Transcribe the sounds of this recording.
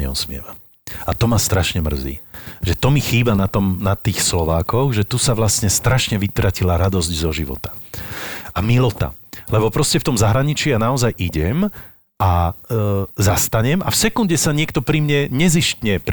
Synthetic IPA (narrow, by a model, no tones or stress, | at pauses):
ɲɛ̰ṵsmɪɛ̰ʋa | at̪ɔmast̪ɾaʃɲɛmr̩zḭːʒɛt̪ɔmixiːbanat̪ɔmnat̪iːxslɔʋaːkɔxʒɛt̪usaʋlasɲɛst̪ɾaʃɲɛʋit̪ɾacilaɾad̪ɔzɟzɔʒiʋɔ̰t̪ḁ | amilɔt̪a̰lɛbɔpɾɔscɛft̪ɔmzaɦɾaɲit͡ʃijanaɔzajʔiɟɛm | ʔa | zast̪aɲɛmʔafsɛkunɟɛsaɲɪɛk̚t̪ɔpɾimɲɛɲɛziʃcɲɛp